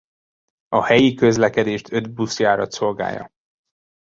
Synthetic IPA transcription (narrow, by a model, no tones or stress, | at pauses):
ɒhɛjikø̞zlɛkɛd̪eːʃt̪ʰø̞d̪busjaːɾɒt̪so̞lɡa̰ːjːɒ̰